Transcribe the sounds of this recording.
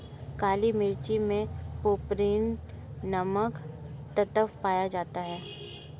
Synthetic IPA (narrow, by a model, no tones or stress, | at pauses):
kaːlimɪɾt͡ʃimẽpoːpɾiːn | nɐməkt̪ət̪əfpaːjad͡ʒaːt̪aɦɛː